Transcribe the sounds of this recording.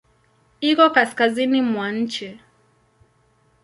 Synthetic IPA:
ikɔkaskazinimwaɲ̩t͡ʃɛ

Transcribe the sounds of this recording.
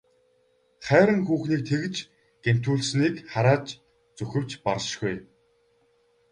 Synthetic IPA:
χæːɾə̆ŋxuːxniːk̚t̪ʰeɣɘ̆t͡ɕ | ɡ̥en̥t̪uːɮsniːkχaɾaːt͡ɕ | t͡sɵxɘ̆w̥t͡ɕparʃɡuj

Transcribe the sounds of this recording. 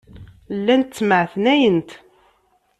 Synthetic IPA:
lːænt̪t͡sːməʕθnæjənt̪

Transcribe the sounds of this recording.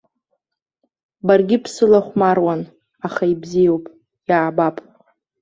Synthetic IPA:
barɡʲɪpʰsɨlaχʷmarwan | aχaibzijowpʼ | jaːbapʼ

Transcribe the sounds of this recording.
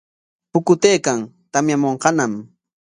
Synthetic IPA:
pʊkʊt̪ejkaŋt̪amjamoɴqɑnam

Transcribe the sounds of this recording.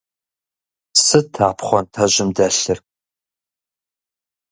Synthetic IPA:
sɨtʰaːpʰχʷɔntʰɐʑɪmdɐɬɨr

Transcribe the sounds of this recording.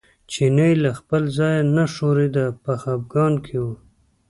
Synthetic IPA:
t͡ʃinəjlaxpəlzɑjanaʂoɾed̪apaxab̚ɡɑnkʰewu

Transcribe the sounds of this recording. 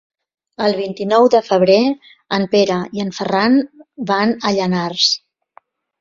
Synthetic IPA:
əlˠβ̞int̪inɔwðəfəβ̞ɾe | əmpeɾəiəɱfəranbanəʎənars

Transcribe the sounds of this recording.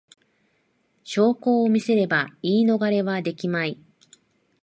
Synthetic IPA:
ɕo̞ːko̞ːmʲise̞ɾe̞baiːno̞ɡaɾe̞βad̪e̞kʲimai

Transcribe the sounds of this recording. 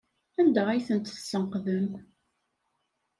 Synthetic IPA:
ænd̪æʁæjθənt̪sːənqðəm

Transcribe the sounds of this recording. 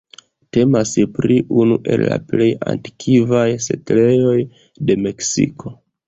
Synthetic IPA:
te̞maspɾiunuʔe̞̰lːa̰ple̞ja̰nti̥kʰivajse̞̰tle̞jo̞j | de̞me̞ksḭkʰo̞

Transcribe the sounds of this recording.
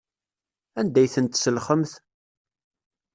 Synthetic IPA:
ænd̪æjθənt̪səlχəmθ

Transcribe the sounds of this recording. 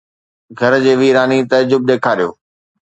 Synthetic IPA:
ɡʱɐɾd͡ʑeːʋiːɾaːnit̪ɐd͡ʑʊb̚d̪eːkʰaːɾijo̰ː

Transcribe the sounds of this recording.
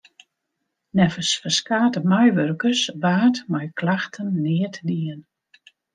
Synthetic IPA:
nɛfəsfərskaːtəmajʋørkərsʋaːtmajklaxtʰənːɪətdiən

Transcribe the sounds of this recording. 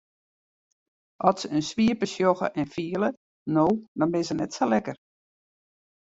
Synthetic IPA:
ʔɔtsəənsʋiəpəsjoxə̰ʔɛnfiələ | noːdɔnbɪsənɛtsolɛkər

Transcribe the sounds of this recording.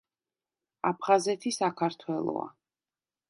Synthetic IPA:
apʰχazɛt̪ʰisakʰaɾt̪ʰwɛlˠɔ̰a̰

